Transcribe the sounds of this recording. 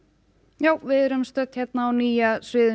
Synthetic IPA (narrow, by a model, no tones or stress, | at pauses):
jaːwvɪðɛɾʏmst̪œt̪çɛt̪̚naːwniːjasvɪːðʏ